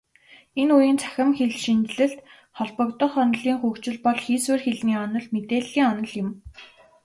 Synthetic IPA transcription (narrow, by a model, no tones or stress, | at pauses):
enujiːnt͡sʰæ̥xʲɪ̆mxeɮʃint̪ɮɘ̆ɬt̪ | χɔɮpɞ̆kt̪ɞ̆χɔnɞ̆ɮiːŋxukt͡ɕɪ̆ɮpɔɮxiːswɘːrxeɮniːɔnɞ̆ɮmet̪eːɮɣʲiːŋɔnɞ̆ɮjɪ̆m